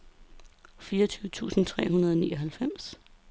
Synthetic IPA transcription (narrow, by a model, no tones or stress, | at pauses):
fiːɐt͡sʰyːʊət͡sʰṵːsn̩t͡sʰʁɛ̰ːɦunɐð̞ˠɒnḭːɒ̽ɦælfem̰s